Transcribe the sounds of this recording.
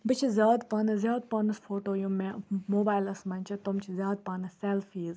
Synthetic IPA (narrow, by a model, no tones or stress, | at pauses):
bɨt͡ʃʰizjaːd̪paːnɐzjaːd̪̚paːnɐsfʰoːʈoːjũmemoːbaːjlɐsmɐnʲt͡ʃʰɐt̪omt͡ʃʰizʲjaːd̪̚paːnɨselfiːz